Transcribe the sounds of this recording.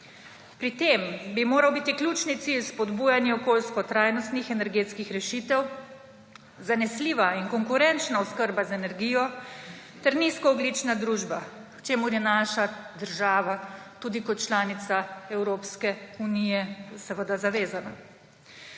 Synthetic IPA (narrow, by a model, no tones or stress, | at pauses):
pɾit̪eːmbimoːɾawbit̪iklʲuːt͡ʃnit̪silspɔd̪buːjanjɛɔkoːlskɔt̪ɾaːjnɔst̪nixɛnɛɾɡeːt̪skixɾɛʃit̪ɛw | zanɛsliːʋaiŋkɔŋkuɾɛnt͡ʃnaɔskəɾbazɛnɛɾɡiːjɔ | t̪ɛɾniskɔɔɡlit͡ʃnad̪ɾuːʒba | wt͡ʃeːmuɾjɛnaːʃad̪əɾʒaːʋat̪uːd̪ikɔt̪̚t͡ʃlaːnit̪saɛwɾoːpskɛunijɛsɛʋəd̪azaʋeːzana